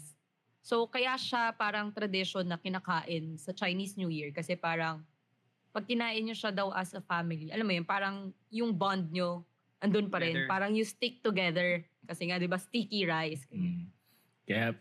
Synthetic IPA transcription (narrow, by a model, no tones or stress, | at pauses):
so̞kɐjaʃapaːɾɐŋt̪ɾɐd̪ɪʃonːɐkɪnakaːʔɪnsɐt͡ʃɐjniːsɲuːjiɹkɐsɛpaːɾɐŋ | pɐɡ̚kɪnaːʔɪnɲoʃad̪ɐwʔɐsɐfamɪliʔɐlamːojonpaːɾɐŋjʊŋband̪̚ɲo | ʔɐnd̪onpɐɾɛnpaːɾɐŋjʊst̪ɪk̚t̪ʊɡɛðɛɹ | kɐsɛŋad̪ɪbast̪ikiɹajskɐ | k